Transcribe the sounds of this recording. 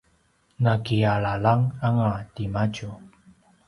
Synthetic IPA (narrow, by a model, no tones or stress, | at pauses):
nakiaɭalaŋaŋatimacu